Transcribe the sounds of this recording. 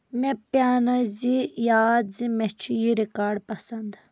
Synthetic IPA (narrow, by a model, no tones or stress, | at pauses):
mɛ̃pjaːnɐzijaːd̪zimɛt͡ʃʰijiɾikaːɾɖpɐsɐnd̪